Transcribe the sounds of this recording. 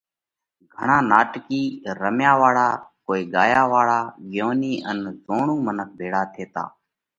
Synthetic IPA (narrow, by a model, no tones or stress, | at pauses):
ɡʱəɳãːnaːʈkiːɾəmjaːʋaːɽaːkoːiːɠaːjaːʋaːɽaːɠɪjoːniːʔənzoːɳũːmənək̚ʰbʱeːɽaːt̪ʰeːt̪a̰ː